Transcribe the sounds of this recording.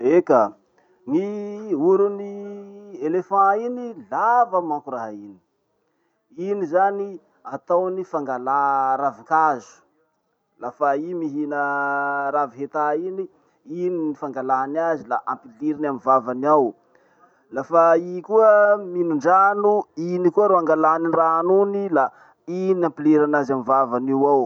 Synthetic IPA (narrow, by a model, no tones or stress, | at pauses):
eka | ŋiuɾuni | elefɑ̃inilavamãkuɾaɦini̥ | inizani | at̪awnifaŋɡalaɾavikazu̥ | lafaimiɦinəɾaviɦet̪aini | ininifaŋɡalaɦanazilaʔampiliɾanamivavaniaw | lafaikuəminuɳɖ͡ʐanuinikuəɾoaŋɡalaɦaninraɦanunila | inampileɾanazamivavaniwaw